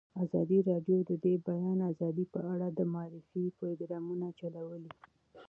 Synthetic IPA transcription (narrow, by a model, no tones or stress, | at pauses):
azɑd̪iɾɑɖjod̪əd̪ebajɑnazɑd̪ipəaɽad̪əmaɑɾɪfipɾɡɾɑmunat͡ʃalawəli